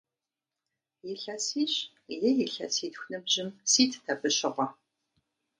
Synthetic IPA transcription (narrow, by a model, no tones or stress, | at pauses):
jɪɬɐsiːɕ | jɪjɪɬɐ̰siːtxʷnɨbʑɪmsiːtʰtʰɐbɨɕɪʁʷɔ